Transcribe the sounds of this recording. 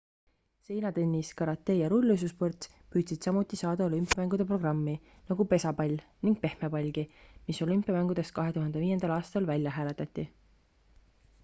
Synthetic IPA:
se̞jnɑd̪enʲːiskɑɾɑt̪ːˑe̞ːjɑɾulʲːys̬usport̪s | pyːd̪̥sid̪̥sɑmut̪ːˑisɑːd̪̥ɑo̞lympijɑmæŋɡud̪̥e̞pro̞ɡ̥rɑmːi | nɑɡ̥upe̞sɑpɑlʲniŋɡ̥̚pe̞hmepɑlʲɡ̥imiso̞lympijɑmæŋɡ̥ud̪̥e̞st̪̚kɑɦe̞t̪uɦhɑnd̪e̞viːje̞nd̪̥ɑlɑːst̪ɑlvælʲjɑɦæːle̞t̪ˑɑt̪ˑːi

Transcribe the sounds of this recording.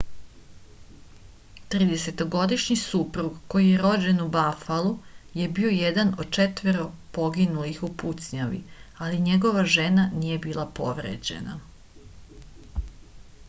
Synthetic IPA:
t̪ɾid̪e̞se̞t̪o̞ɡo̞d̪iʃɲisupɾuɡko̞jijeɾo̞d͡ʑe̞nubafaluje̞bio̞jed̪anod̪̚t͡ʃet̪ʋeɾo̞po̞ɡinulixuput̪sɲaʋḭaliɲe̞ɡo̞ʋaʒe̞nanije̞biːlˠapo̞̰ʋɾḛd͡ʑe̞̰na̰

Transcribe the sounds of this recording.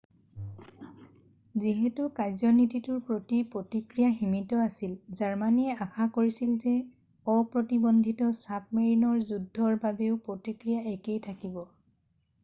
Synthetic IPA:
ziɦɛtʊkajzɔnititʊɹpɹotipɹotikɹijaximitɔasilzaɹmaniɛaxakoɹisilzɛ | ɔpɹotibɔndʱitɔsap̚meɹinɔɹzudʱːɔɹbabeʊpɹotikɹijaɛkejtʰakibɔ

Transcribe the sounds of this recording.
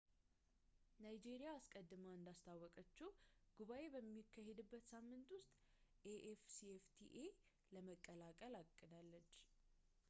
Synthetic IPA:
najd͡ʒeɾijaːskʼəd̪ːɨmaɨnd̪ast̪ʰawːɔkʼət͡ʃːɛwɡ̥uβaʔe̞bəmːikʰːahed̪ɨbːət̪samːɨnt̪wʊst̪ʼ | ʔeʔefsieft̪ʰḭʔe | ləməkʼːəlakʼəlakʼːɨd̪alːət͡ʃː

